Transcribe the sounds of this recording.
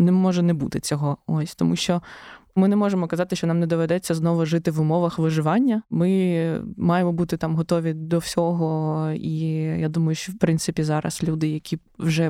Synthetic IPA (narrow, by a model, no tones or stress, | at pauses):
nɛmɔʒɛnɛbut̪ɪt͡sʲɔɦɔɔsʲt̪ɔmuʃt͡ʃɔmɪnɛmɔʒemɔkɐzɑt̪ɪʃt͡ʃɔnɑmnɛd̪ɔʋɛd̪ɛt͡sʲːɐznɔʋʊʒɪt̪ɪʋʊmɔʋɐxʋɪʒɪʋɑnʲːɐmɪ | mɑjemɔbut̪ɪt̪ɑmɦɔt̪ɔʋʲid̪ɔwsʲɔɦɔijad̪umɐjʊʃt͡ʃɔwpɾɪnt̪sɪpʲizɑɾɐ̰slʲud̪ɪjɐkʲi | wʒɛ